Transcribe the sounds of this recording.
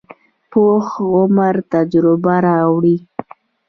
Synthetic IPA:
poxʊmaɾt̪ad͡ʒɾʊbaɾɑwɽi

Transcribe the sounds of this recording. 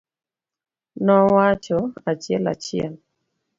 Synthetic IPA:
nɔwat͡ʃɔat͡ʃɛla̰t͡ʃjɛ̰l

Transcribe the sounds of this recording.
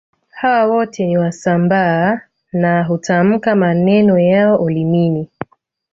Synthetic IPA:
hawawɔtʰɛniwasambaː | naɦutʰam̩kamanɛnɔjaɔʔɔlimini

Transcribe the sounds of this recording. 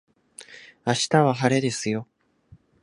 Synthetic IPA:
aɕi̥t̪aβaɦaɾe̞d̪e̞sɨjo̞

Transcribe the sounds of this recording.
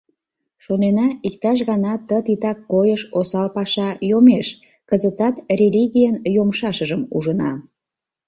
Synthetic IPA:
ʃonenɑik̚t̪ɑʃ̬ɣɑnɑt̪ət̪it̪ɑkːojəʃosɑlpɑʃɑjomeʃ | kəzət̪ɑt̪rʲelʲiɣʲijənjomʃɑʃəʒəmṵʒənɑ̰

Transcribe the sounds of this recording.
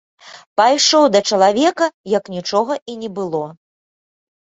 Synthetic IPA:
pajʂɔwd̪ɐt͡ʂɐlˠavʲɛkɐjɐknʲit͡ʂɔɣɐʔinʲɛbɨlˠɔ

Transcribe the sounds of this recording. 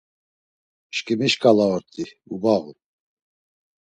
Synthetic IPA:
ʃkʼimiʃkʼalaɔɾt̪ʼi | ubaɣṵ

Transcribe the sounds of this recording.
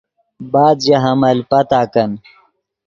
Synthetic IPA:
baːd̪d͡ʑɐɦɐmɐlpɐt̪aːkɐn

